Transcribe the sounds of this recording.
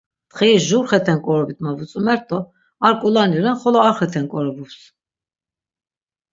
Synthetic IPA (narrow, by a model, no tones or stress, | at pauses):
t̪χiisʒuɾχɛt̪ʰɛnkʼɔɾɔbit̪ʰmavut͡sʼumɛɾt̪ʼɔ | aɾkʼulaniɾɛnχɔlɔaɾχɛt̪ʰɛnkʼɔɾɔvups